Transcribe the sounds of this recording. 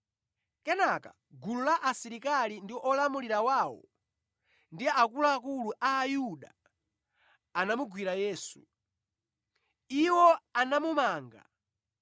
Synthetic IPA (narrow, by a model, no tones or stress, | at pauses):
kɛnaka̰ | ɡululaʔasiɾikalindiʔɔlamuliɾawaːwɔ̰ | ndiakulaakuluʔaːjuɗa | namuɡwiɾajɛːsṵ | iwɔanamumaːŋɡa̰